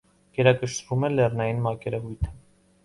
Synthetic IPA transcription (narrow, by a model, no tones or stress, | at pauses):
ɡ̥ɛɾɑkəʃvumɛlɛrnɑjinmɑkɛɾɛvujt̪ʰə̥